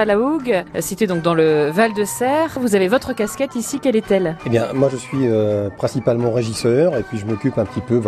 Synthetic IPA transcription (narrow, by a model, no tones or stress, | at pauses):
alauɡsit̪ed̪ɔ̃k̚d̪ɑ̃ləvald̪əsɛːʁvuzavevɔt̪χəkʲaskʲɛt̪isikʲɛlɛt̪ɛlebjɛ̃mwaʒəsɥiøpχɛ̃sipalmɑ̃ʁeʒisœʁepɥiʒəmɔkʲypɛ̃pə̥t̪ipøv